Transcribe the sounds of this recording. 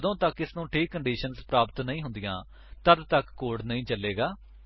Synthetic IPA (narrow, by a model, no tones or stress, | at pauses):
d̪õːt̪əkːɪsnũːʈʰiːkːəɳɖiːʃənzpɾaːpət̪nəĩːɦʊnd̪ɪjãː | t̪əd̪t̪əkːoːɖnəĩːt͡ʃəlːeːɡaː